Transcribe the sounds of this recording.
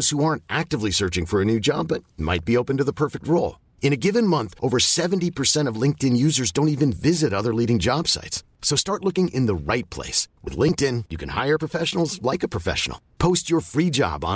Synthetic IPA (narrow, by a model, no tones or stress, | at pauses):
z̥huɑɹntʔæk̚tɨvlisɜ˞t͡ʃɪ̃ŋfə˞ɨnʉd͡ʒɑ̰bʌt̚ma̰ɪt̚b̥ioʊpɨ̃n̩tɨðəpʰɜ˞fɪk̚t̚ɹoʊlˠ | ɨ̃ñɨɡɪvɨ̃nmʌ̃nθʔoʊvə˞sɛṽntipʰə˞sɛ̃ɾ̃ʌvlɪ̃ŋk̚tɨ̃njʉzə˞zdõʊ̃ntivɨ̃nvɪzɨɾʌðə˞liɾɪ̃ŋd͡ʒɑb̥sa̰ɪtsː | oʊstɑɹtˡlʊkɪ̃ŋɪ̰̃nðəɹaɪt̚pʰl̥ḛɪswʔɨ̰ðlɪ̃ŋk̚tɪ̃njɨkʰɨ̃nha̰ɪə˞pʰɹ̥əfɛʃn̩l̩ˠzlaɪkɨpʰɹ̥əfɛ̰ʃn̩̰l̩ˠpʰoʊst͡ʃə˞fɹid͡ʒɑ̰b